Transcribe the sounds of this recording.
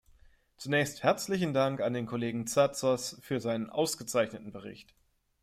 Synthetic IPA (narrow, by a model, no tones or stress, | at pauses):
t͡sunɛːçsthɛɐt͡slɪç̬n̩daŋkandeːnkʰoleːɡŋ̩t͡sat͡sɐsfyːɐzaɪnənʔa̰ʊsɡ̥ət͡saɪçnətn̩bəʁ̞ɪ̰çt